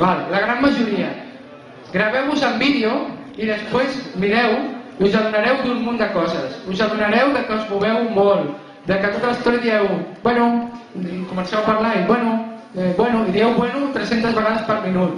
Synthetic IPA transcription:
balləɣ̞ɾamːəʒuɾiə | ɡɾəβɛwuzəmbiðio | iðəspwezmiɾɛwiuzaðunəɾɛwd̪ummund̪əkɔzəsuzəðunəɾɛwðəkəuzmuβɛwmolˠ | d̪əkət̪ot̪aləst̪ɔɾjəðiɛwbwɛnu | kumənsɛwapɐɾlaiβwɛnubwɛnuiðiɛwβwenut̪ɾesent̪əzβəɣaðəspəɾminut̪̚

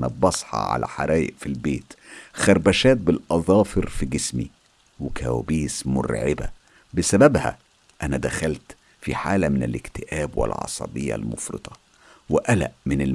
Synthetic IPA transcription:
næbɑsˤħɑ̰ʕa̰læ̰ħaɾæːjɪʔfilbeːt̪xæɾˤbæʃæːt̪̚bɪlʔɑðˤɑːfeɾfiɡɪsmi | wɪkʰæwæbiːsmʊ̰ɾʕɪbæ̰ | bɪsæbæbhæ̰ | ʔænæd̪æxælt̪ | fiħaːlæmɪnɪlɪkt̪ɪʔæːbwɪ̰lʕɑ̰sˤɑ̰bejːɑ̰lmofɾɨ̰t̪ˤɑ | wɪʔælæ̰ʔmɪnɪl

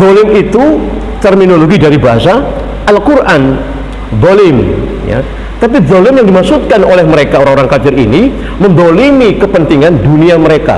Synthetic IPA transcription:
ðolɪmit̪u | t̪ərminoloɡidaɾibaɦasa | alkurʔan | ðolɪm | ja̰ | t̪ap̬iðolɪmjaŋdimaksut̪̚kanolɛhməɾekaoɾaŋoɾaŋkad͡ʒɪɾḭni | mənd̪olimikəpənt̪iŋanduniaməɾeka̰

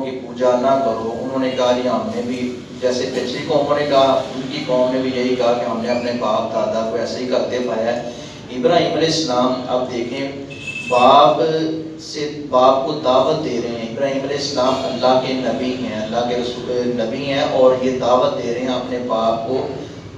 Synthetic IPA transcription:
kipuːd͡ʒaːnaːkəɾoːʔʊnɦõːneːkaːɾaːnẽːbʱiː | d͡ʒɛːseːpɪt͡ʃekɔːmõnẽːkaːʊnkikɔːmnẽːbʱijeɦiːkaːɾãːnlẽːəpneːbaːp̚d̪aːd̪aːkoːɛːsaiːkəɾd̪epaːjaɛː | ɪbɾaːɦiːmleːsnaːmə̰b̚d̪eːkʰẽː | baːp | seːbaːp̚koːd̪aːʋət̪̚d̪eːɾəɛ̃ːɪbɾaːɦĩːmɾeːsnaːməlːaːkeːnəbiːɦɛ̃ːəlːaːkeːɾəsuːɾenəbiːɦɛ̃ːʔɔːɾjeːd̪aːʋət̪̚d̪eːɾəɛ̃əpneːbaːp̚koː

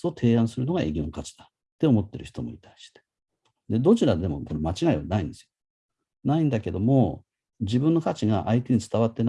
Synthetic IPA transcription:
ot̪ʰe̞ːãɰ̃sɨɾɯno̞ɡaḛɡʲinokat͡ɕi̥d̪̥a | t̪ːe̞o̞mo̞t̪ːe̞̰ɾɯ̟çi̥t̪o̞mo̞̰it̪aiɕi̥t̪e̥ | d̪e̞d̪o̞t͡ɕiɾad̪e̞mo̞̰ko̞ɾemat͡ɕiɡaiβanaĩnd̪esɨjoo | naĩnd̪ake̞d̪o̞mo̞ | d͡ʑibɯ̃nːo̞kat͡ɕiɡaʔait̪e̞ɲ̟it͡sɨ̥t̪aβat̪ːe̞n

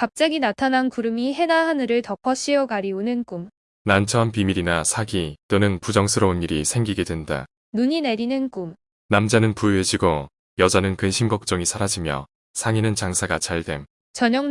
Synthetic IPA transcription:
kap̚t͡ɕ͈aɡinatʰanankuɾɯmiɦe̞naɦanɯɾɯɭtʌpʰʌɕ͈iʌɡaɾiunɯnk͈um | nant͡ɕʰʌnpimiɾinasʰaɡit͈onɯnpud͡ʑʌŋsʰɯɾʌuniɾisʰe̞ŋɡiɡe̞dwenda̰ | nuɲine̞ɾinɯnk͈um | namd͡ʑanɯnpujed͡ʑiɡo | jʌd͡ʑanɯnkɯnɕʰimɡʌk̚t͡ɕ͈ʌŋisʰaɾad͡ʑimjʌ̰ | sʰaŋinɯnt͡ɕaŋsʰaɡat͡ɕaɭde̞m | t͡ɕʌɲʌŋ

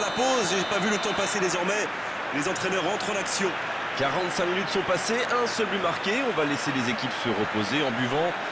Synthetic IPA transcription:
lapozʒepavylət̪ɑ̃pased̪ezɔʁmɛ | lezɑ̃t̪χɛnœʁːɑ̃t̪χɑ̃naksjɔ̃ | kaʁɑ̃t̪sɛ̃minyt̪sɔ̃paseʔɛ̃sœlplymaʁkʲeɔ̃valeselezekʲipsəʁəpozeɑ̃byvɑ̃

